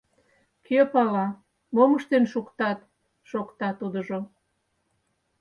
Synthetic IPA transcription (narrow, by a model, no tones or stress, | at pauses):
kʰøpɑlɑ | moməʃt̪enʃukt̪ɑt̪ | ʃokt̪ɑt̪ud̪əʒo